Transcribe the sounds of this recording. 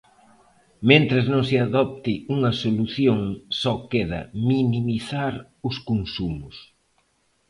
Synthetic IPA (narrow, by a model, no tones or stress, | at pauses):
mẽnt̪ɾɪznõŋsɪaðɔp̚t̪ɪuŋɐsoluθjoŋsɔkeðɐ̰minimiθaɾ | ʊskoŋsumʊs